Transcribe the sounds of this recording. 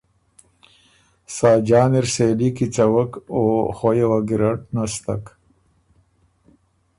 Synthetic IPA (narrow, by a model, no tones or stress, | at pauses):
saːd͡ʒɑːniɾseːlikit͡sawakoxojewaɡiɾaʈnast̪ak